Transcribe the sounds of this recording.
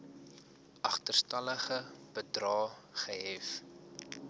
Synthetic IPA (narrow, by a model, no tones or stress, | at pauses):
ʔɐχtərstɐləχəb̥ədrɑːχəɦɛf